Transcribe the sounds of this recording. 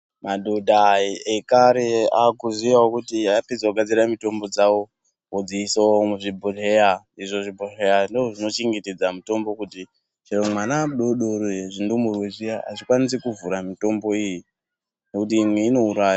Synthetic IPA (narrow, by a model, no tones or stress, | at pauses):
madʱodʱaekaɾeakuzijawokutiapid͡zakuɡʱad͡ziɾamito̞mbo̞d͡zawo̞ | od͡ziisoomuʐibʱoreja | iʐoʐibʱorejandoʐoʐino̞t͡ʃiŋɡitid͡zamito̞mbo̞kuti | t͡ʃiromwanaɗo̞ɗoɾweʐindomurweʐijaa̰t͡ʃikwanis̬ekuvuɾamito̞mbo̞iji | ne̞kut̬iːmweino̞uɾaːjo